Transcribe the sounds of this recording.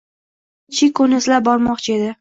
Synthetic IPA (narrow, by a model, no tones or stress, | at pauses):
t͡ʃʰɪkʰɵnɪɪslap̚bɒɾmɒqt͡ʃʰe̞d̪ɪ